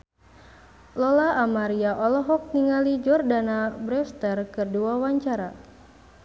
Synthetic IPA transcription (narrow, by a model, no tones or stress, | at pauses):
lɔlaʔamaɾiaʔɔlɔɦɔk̚niŋalid͡ʒɔrdanabɾɛst̪ərkɨrduawaɲt͡ʃaɾa